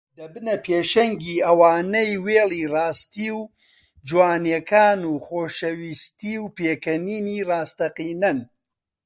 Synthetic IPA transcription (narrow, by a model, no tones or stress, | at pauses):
d̪ɐbɨnɐpʰeːʃɐŋɡiːɐwaːnɐjweːlˠiːraːst̪iːw | d͡ʒwaːnjɛkʰaːnuːχoːʃɐwiːst̪iːwpeːkɐniːniːraːst̪ɐqiːnɐn